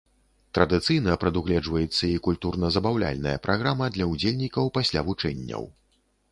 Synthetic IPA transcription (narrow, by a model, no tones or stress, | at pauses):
t̪ɾɐd̪ɨt̪sɨjnɐpɾɐd̪uɣlʲɛd͡ʐvɐjɛt̪sːɐikulʲt̪urnɐzɐbawlʲa̰lʲnɐjɐ̰pɾʔaɣɾamɐd̪lʲɐud͡zʲelʲnʲikɐwpasʲlʲavut͡ʂɛnʲːɐ̰w